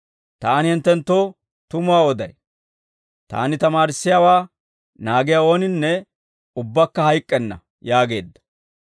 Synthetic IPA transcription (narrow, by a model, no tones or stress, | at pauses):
t̪aːnɪhɪnt̪ːɛnt̪ːoː | t̪ʊmʊwaːɔd̪ɐj | t̪a̰ːnɪt̪ɐmaːɾɪsːɪjaːwaː | naːɡɪjao̞ːnɪnːɛ | ʊbːɐkːɐhɐjkʼːɛnːɐ̰ | jaːɡeːd̪ːɐ̥